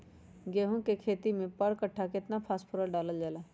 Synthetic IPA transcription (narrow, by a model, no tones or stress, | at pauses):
ɡeːɦũkekʰeːt̪imẽpəɽkəʈʰːakɪt̪napʰaːspʰʊɾəɖaːləld͡ʒaːlaː